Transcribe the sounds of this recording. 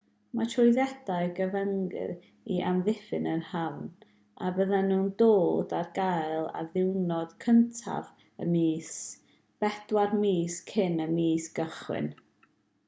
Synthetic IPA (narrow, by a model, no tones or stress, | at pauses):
matʰrɔjðɛd̥aɨɡəvəŋɡɪ̰ɾ | iʔamðɪfɨnənhawn | abəðanuːndoːdarɡajlˠa̰ðɪwnɔd̥kʰəntʰa̰v | ə̰miːs | b̥ɛd̥warmiːskʰɪnəmiːsɡ̥əχwɪ̰n